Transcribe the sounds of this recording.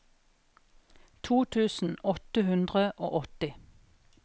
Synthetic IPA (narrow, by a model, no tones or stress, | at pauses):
t̪ʰuːt̪ʰʉːsn̩ɔt̪əhʉnd̪ʁəʔo̰ːʔɔt̪ɪ